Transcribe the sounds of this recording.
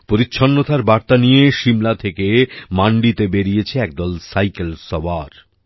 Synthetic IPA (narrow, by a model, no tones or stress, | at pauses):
poɾitːɕʰonːot̪aɾbaɾt̪anijeʃimlat̪ʰekemaɳɖit̪ebeɾiet͡ɕʰeɛk̚d̪ɔlsajkelsɔbaɾ